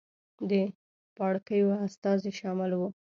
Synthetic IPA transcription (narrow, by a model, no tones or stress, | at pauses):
d̪ə | pɑɽkəjoast̪ɑzeʃɑmɪlwu